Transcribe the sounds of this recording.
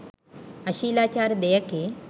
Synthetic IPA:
əɕiːlat͡ɕaɾd̪ejəke

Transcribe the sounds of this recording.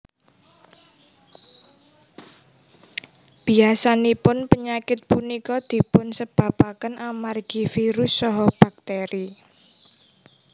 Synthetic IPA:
b̥iasanipʊnpəɲakɪt̪̚punikɔd̪̥i̤pʊnsəb̥ä̤pakənamarɡ̥ifiɾʊsːɔɦɔb̥a̤k̚t̪eɾi

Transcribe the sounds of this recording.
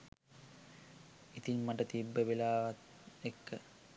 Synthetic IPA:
it̪inmaʈət̪ibːəʋilaːʋat̪ | ekːə

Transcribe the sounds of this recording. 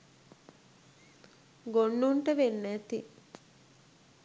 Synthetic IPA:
ɡonːuɳʈəʋenːæt̪i

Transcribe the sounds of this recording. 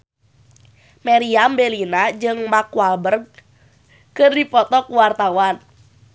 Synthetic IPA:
meɾiambelinad͡ʒɨŋmakuabərɡ̚ | kɨrdipɔt̪ɔkuwart̪awan

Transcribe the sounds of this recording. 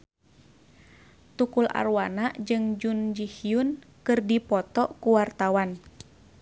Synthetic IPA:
t̪ukula̰rwanaʔd͡ʒɨŋd͡ʒund͡ʒihiun | kɨrdipɔt̪ɔkuwart̪awan

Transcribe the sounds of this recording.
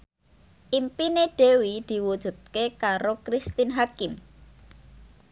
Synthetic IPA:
ʔimpineɖ̥e̤wid̪̥i̤wud̥ʒ̥ṳt̪̚kekaɾokɾist̪ɪnɦakɪm

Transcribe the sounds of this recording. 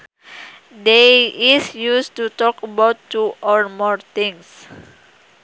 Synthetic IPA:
deisjustut̪ɔkəbawtːuʔɔɹmɔɹt̪ɪ̃ŋs

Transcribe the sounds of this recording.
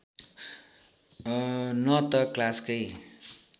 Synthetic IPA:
nʌt̪ʌklaskʌj

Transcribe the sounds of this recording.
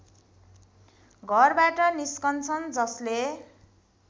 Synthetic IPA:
ɡʱʌrbaʈʌniskʌnt͡sʰʌnd͡zʌsle

